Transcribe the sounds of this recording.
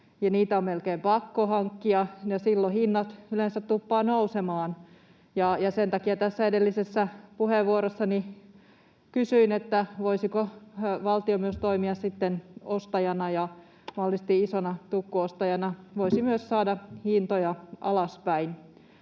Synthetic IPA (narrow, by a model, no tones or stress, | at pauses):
jɑniːt̪æommelkeːmpɑkːohɑŋkːiɑjɑsilːohinːɑt̪ylensæt̪t̪upːɑːnousemɑːn | jɑjɑsent̪ɑkiɑt̪æsːæedelːisesːæpuheʋʋuoɾosːɑni | kysyinet̪ːæʋoisikoʋɑlt̪iomyøst̪oimiɑssit̪ːenost̪ɑjɑnɑjɑ | mɑlːist̪iisonɑt̪ukːuost̪ɑjɑnɑʋoisimyøssɑːdɑhint̪ojɑʔɑ̰lɑspæin